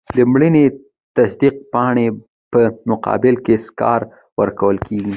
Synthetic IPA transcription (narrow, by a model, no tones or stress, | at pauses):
d̪əmɽəne | t̪asd̪iq̚pɑɳ̃e | pəmʊqɑ̰bɪlkeskɑ̰ɾ | wəɾkawəlkʰeɡi